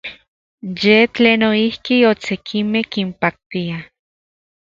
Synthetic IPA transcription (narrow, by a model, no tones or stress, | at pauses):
jet͡ɬeːnoihkiosekʰimehkimpak̚t̪ia